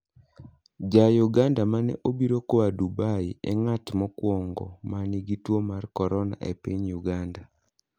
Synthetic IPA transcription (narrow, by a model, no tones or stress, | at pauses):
d͡ʒajuɡandamanɛ̰ʔobiɾokɔadubaiɛŋatmɔkwɔŋɡɔ̰maniɡitwomarkɔɾɔna̰ʔḛpiɲjuɡanda